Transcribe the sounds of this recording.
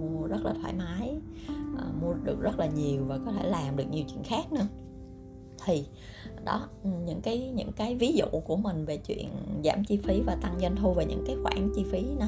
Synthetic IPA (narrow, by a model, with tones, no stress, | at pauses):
u˧əzə˦˥t̚laː˨˩t̪ʰwaː˧˩jmaː˨˦jʔəː˨˩mu˧əɗɨ˨˩ək̚zə˦˥t̚laː˨˩ɲi˨˩əwvaː˨˩kɔ˨˦t̪ʰe˧˩laː˨˩mɗɨ˨˩ək̚ɲi˨˩əwt͡ɕwḭ˧˨ənxaː˦˥k̚nɨ̰˧ə | t̪ʰi˨˩ | ɗɔ˨˦˨ɲɨ̰˧˥ŋkaː˨˦jɲɨ̰˧˥ŋkaː˨˦jvi˨˦zṵ˧˨ku˧˩əmï˨˩ŋ̟ve˨˩t͡ɕwḭ˧˨ənza̰ː˧˩mt͡ɕi˧fi˨˦vaː˨˩t̪a˧ŋzə˧n̟t̪ʰo˧jveː˨˩ɲɨ̰˧˥ŋkaː˨˦jxwa̰ː˧˩ŋt͡ɕi˧fi˨˦n˨˦